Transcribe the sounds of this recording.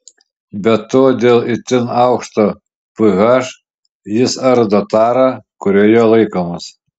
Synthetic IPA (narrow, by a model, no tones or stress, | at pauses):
bʲɛtt̪ːoːd̪ʲeːlˠɪt̪ʲɪnɑʊkʃt̪oː | pɨɣɑʃ | jɪsɐɾd̪oːt̪ɑːɾɑkʊɾʲoːjoːlˠɐɪkoːmɐs